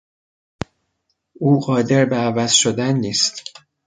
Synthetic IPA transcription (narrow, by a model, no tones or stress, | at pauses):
uːɢɒːd̪e̞ɾbeævæz̥ʃod̪ænːiːst̪